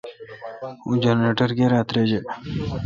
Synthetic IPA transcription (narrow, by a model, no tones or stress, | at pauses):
ud͡ʒaneːʈəɾkeɾaːt̪ɾed͡ʑe